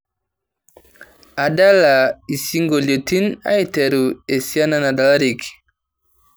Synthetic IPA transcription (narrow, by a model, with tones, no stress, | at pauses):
a˨da˦la˨i˨si˦ŋɡo˨ljo˨ti˦na̰˦i˦te˨ɾu˨e˨si˦a˦na˦na˨da˨la˦ɾi˨k